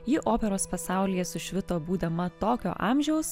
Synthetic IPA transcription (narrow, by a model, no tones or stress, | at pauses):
jɪʔoːpʲɛɾoːspɐsɑˑʊlʲɪjɛsʊʃʲʋʲɪt̪oːbuːd̪ɐmɐt̪oːkʲo̰ːʔɑːmʲʒʲɛʊs